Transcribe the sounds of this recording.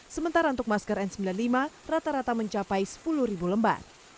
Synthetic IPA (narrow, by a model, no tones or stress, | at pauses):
səmənt̪aɾaunt̪ʊk̚maskəɾɛnsəmbilanlimarat̪aɾat̪aməɲt͡ʃapajsə̥puluhɾibuləmba̰t̪̚